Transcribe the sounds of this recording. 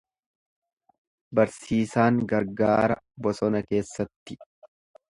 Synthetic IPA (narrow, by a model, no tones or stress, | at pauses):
bɐɾsiːsaːŋɡɐɾɡaːɾɐbɔsɔnɐke̞ːsːɐt̪ːɪ